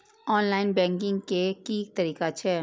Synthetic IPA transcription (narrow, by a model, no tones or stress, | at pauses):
ɔːnlaːɪnbɛ̃ːŋkɪ̃ŋɡkekik̚t̪ɐɾiːkat͡ʃʰɛː